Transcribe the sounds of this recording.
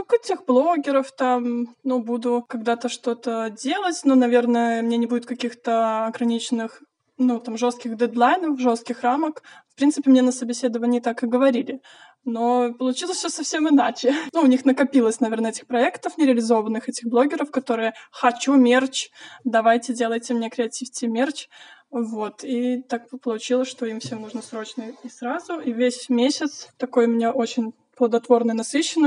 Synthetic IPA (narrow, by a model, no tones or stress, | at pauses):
kɛtʲɪxblˠoɡʲɪɾəft̪amnubud̪ʊkɐɡd̪at̪əʂt̪o̞t̪ədʲelˠətʲnonɐvʲernəjəmnʲenʲɪbudʲɪt̪kɐkʲixt̪əɐɡɾɐnʲit͡ɕɪnɨx | nut̪amʐo̞st̪̚kʲɪɣd̪ɛd̪lˠajnəfʐo̞st̪kʲɪxraməkfpɾʲint̪sɨpʲɪmnʲenəsəbʲɪsʲe̞d̪əvənʲɪːt̪akɨɡəvɐɾʲilʲɪ | no̞pəlˠʊt͡ɕilˠəsʲsʲosɐfsʲemɨnat͡ɕɪnuʊnʲixnəkɐpʲilˠəsʲnɐvʲe̞rnəɛtʲɪ̥xpɾɐɛkt̪əfnʲɪɾʲɪəlʲɪzo̞vənːɨxɛtʲɪxblˠo̞ɡʲɪɾəfkɐt̪o̞ɾɨjəxɐt͡ɕumʲert͡ɕd̪ɐvajtʲɪdʲe̞lˠəjtʲɪmnʲekɾʲɪɐtʲifʲtʲɪmʲert͡ɕvo̞t̪ʰit̪ak̚pəlˠʊt͡ɕilˠəsʲʂt̪o̞imfsʲe̞mnuʐnəsɾo̞t͡ɕnəɪsɾazʊivʲesʲmʲesʲɪt̪st̪ɐko̞jmnʲeʔo̞t͡ɕɪnʲ | plˠəd̪ɐt̪vo̞rnɨjnɐsɨɕːɪnə